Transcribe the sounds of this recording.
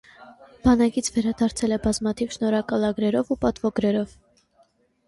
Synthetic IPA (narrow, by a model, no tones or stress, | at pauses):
b̥ɑnɑkit͡sʰvɛɾɑd̪ɑɾt͡sʰɛlɛbɑzmɑt̪ʰivʃnɔɾɑkɑlɑɡɾɛɾɔvupɑt̪vɔɡɾɛɾɔv